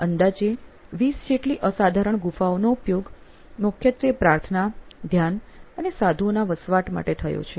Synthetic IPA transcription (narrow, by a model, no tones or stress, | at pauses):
ənd̪ad͡ʒe | ʋisd͡ʒeʈliʔəsad̪ʱaɾəɳɡufaonoupjoɡ | mʊkʰjət̪ɾipɾaɾt̪ʰənad̪ʱjanənesad̪ʱuonaʋəsʋaʈma̰ʈet̪ʰəjo̰t͡ʃʰe